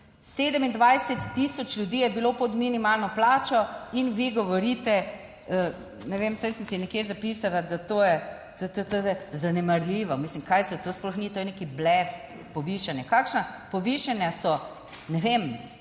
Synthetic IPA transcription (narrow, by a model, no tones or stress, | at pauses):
seːd̪əmind̪ʋajsɛt̪ːisɔt͡ʃlʲjud̪iːjɛbilopɔd̪minimalnɔplaːt͡ʃɔinʋiɡɔʋɔɾit̪ɛ | ə | nɛʋemsajsənsinɛkjezapiːsalad̪at̪oːjɛ | t̪ot̪ot̪ojɛzanɛmaɾlʲiːʋɔmislimkajsɛt̪osplɔxnit̪ojɛnekiblɛf | pɔʋiʃanjɛkaːkʃnapɔʋiʃanjasɔ | nɛʋem